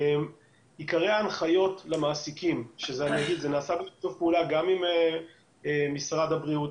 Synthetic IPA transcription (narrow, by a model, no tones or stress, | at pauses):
em | ikaʁeanχajo̞tlamaːsikimʃezeanijaɡid̪zenaːsabetovpeulaɡamime | emisʁad̪habʁiut